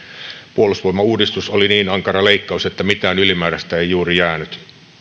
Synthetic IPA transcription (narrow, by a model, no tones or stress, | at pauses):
puolusʋoimːˑɑuːdist̪usoliniːnɑŋkɑrɑleikːɑuset̪ːæmit̪æːnylimæːɾæst̪æeijjuːrijæːnyt̪